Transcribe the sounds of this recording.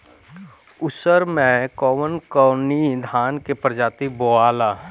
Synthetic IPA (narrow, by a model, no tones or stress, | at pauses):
ʊsəɾmẽkɔːmənkɔːnid̪ʱaːnkepɾəd͡ʒaːt̪iboaːlaː